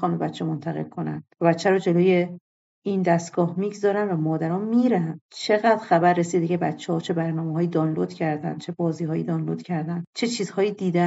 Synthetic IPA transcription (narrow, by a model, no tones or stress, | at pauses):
xɒːnbe̞bæt̪t͡ʃʰːɛmont̪ʰæɣelkʰonæ̰nvæbæt̪t͡ʃːæɾɔːd͡ʒe̞loːje | ind̪æst̪ɡ̥ɒːhmiɡzɒːɾænvæmɒːd̪æɾɒːnmiɾænt͡ʃʰe̞ɣæːd̪̥ɾxæbæɾːesiːd̪ecʰebætt͡ʃʰːehɒːt͡ʃʰe̞bæɾnɒːmeɦɒːjid̪ɒːnlod̪cʰæɾd̪ænd̪̥t͡ʃʰe̞bɒːziːɦɒːjḭd̪ɒːnlod̪̥cʰæɾd̪ænd̪t͡ʃʰe̞t͡ʃʰiːzhɒːjiːd̪iːd̪æ